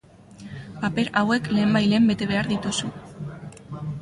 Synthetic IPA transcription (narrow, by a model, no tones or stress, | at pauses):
pape̞ɾawe̞kle̞ːmbajle̞ːmbe̞t̪e̞β̞e̞aɾðit̪usu